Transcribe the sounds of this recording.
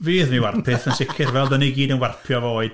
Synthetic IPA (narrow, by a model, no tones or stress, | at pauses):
viːðmiwarpʰɪθənʃɪkʰɪrvɛlˠdɔniɡiːdənwarpʰjɔvoːɨd̥